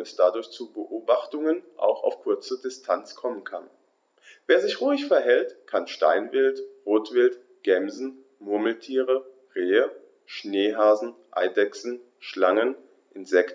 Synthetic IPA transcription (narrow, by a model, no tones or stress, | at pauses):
ɛsd̥adʊɐçt͡subəʔoːbaχtʊŋənʔa̰ʊxa̰ʊfkʰʊɐt͡sədɪstʰant͡skʰɔmənkʰan | veːɐzɪçʁuːɪçfɛɐɦɛltkʰanʃta̰ɪnvɪltʁoːtv̥ɪlt | ɡ̥ɛmzn̩ | mʊɐml̩tʰiːʁə | ʁeːə | ʃneːɦaːzn̩ʔa̰ɪdɛksn̩ | ʃlaŋən | ʔɪnzɛkt